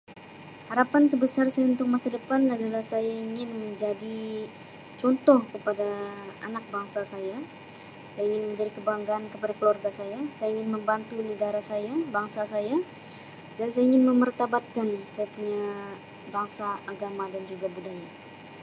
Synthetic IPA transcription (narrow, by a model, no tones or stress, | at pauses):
haɾapant̪ərbəsarsajaunt̪ʊk̚masadəpanadalahsajaiŋɪnməɲd͡ʒadi | t͡ʃɔnt̪ɔhkəpadaanak̚baŋsasaja | sajaiŋɪnməɲd͡ʒadikəbaŋɡaːnkəpadakəluarɡasajasajaiŋɪnməmbant̪unəɡaɾasajabaŋsasaja | dansajaiŋɪnməmərt̪abat̪̚kansajapuɲa | baŋsaaɡamadand͡ʒuɡabudaja